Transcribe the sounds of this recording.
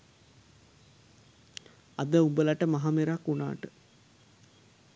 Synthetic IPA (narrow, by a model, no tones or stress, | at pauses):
ad̪əumbəlaʈəmaɦameɾakːuna̰ːʈə